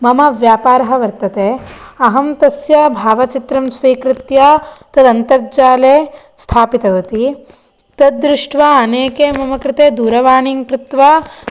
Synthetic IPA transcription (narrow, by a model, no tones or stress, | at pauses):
mɐmɐʋjaːpaːɾɐɦɐ̆ʋɐɾt̪ɐt̪eːɐɦɐmt̪ɐsjɐbʱaːʋɐt͡ʃit̪ɾɐmsʋiːkɾɪt̪jɐt̪ɐd̪ɐnt̪ɐɾd͡ʒaːleː | st̪ʰaːpit̪ɐʋɐt̪i | t̪ɐd̪̚d̪ɾɪʂʈʋaɐneːkeːmɐmɐkɾɪt̪eːd̪uːɾɐʋaːɳiŋkɾɪt̪ʋa